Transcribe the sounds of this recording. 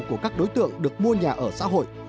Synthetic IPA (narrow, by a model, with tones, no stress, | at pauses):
ku˧˩əkaː˦˥k̚ɗo˨˦jt̪ɨ̰˧˨əŋɗɨ˨˩ək̚mu˧əɲaː˨˩ʔəː˧˩sa̰ː˧˥ɦo̰˧˨jʔ